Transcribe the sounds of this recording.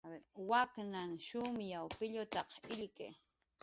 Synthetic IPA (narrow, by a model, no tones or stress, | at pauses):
waknaŋʃʊmjawpɪʎʊt̪ɑqɪʎkḛː